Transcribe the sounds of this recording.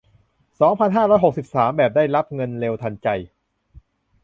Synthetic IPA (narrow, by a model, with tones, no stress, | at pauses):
sɔː˩˦ŋpʰa˧nɦaː˥˩ɾɔː˦˥jɦo˨˩k̚si˨˩p̚saː˩˦mbɛː˨˩p̚daː˥˩jɾa˦˥p̚ŋɤ˧nleː˧wt̪ʰa˧nt͡ɕa˧j